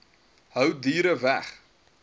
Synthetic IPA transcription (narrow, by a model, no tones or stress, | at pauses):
ɦœwdiːɾəvæχ